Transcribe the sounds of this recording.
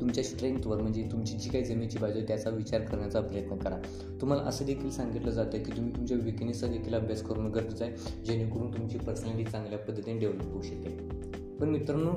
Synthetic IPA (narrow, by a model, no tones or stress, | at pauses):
t̪umt͡ɕjaɕi̥t̪ɾəiŋt̪ʋəɾm̤əɳd͡zet̪umt͡ɕiːd͡ʑiːkaid͡zəmet͡ɕiːbad͡ʑət̪jat͡saʋit͡ɕaɾkəɾɳjat͡sapjət̪nəkəɾa | t̪um̤ala̰ʔəsəːd̪ekʰiːlsãŋɡit̪ləd͡zat̪əkiːt̪um̤iːt̪umt͡ɕjaʋiknisad̪ekʰiːləbʱjaskʰəɾonəɡəɾbd͡zajd͡ʑeñikəɽuːnt̪umt͡ɕiːpəsnaliːt͡sãŋɡljapəd̪ʱːət̪inɖeʋləpɦouɕəke | pəɳmit̪ɾənu